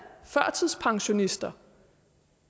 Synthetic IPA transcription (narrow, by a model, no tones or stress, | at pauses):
fɶɐ̰t͡sʰið̰ˠspʰɑ̈ŋɕo̝nisd̥ɐ